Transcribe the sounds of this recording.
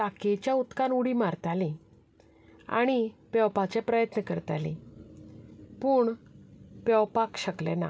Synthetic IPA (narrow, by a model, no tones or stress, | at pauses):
aket͡ɕjaut̪kanuɽimaɾt̪alĩ | a̰ɽ̃ipɛwpat͡ɕɛpɾəjət̪nəkəɾt̪alḭ̃ | puːɳ | pɛwpakɕəklɛ̰na̰